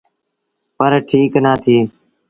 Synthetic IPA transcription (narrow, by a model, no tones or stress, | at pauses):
pəɾʈʰiːknaːt̪ʰiː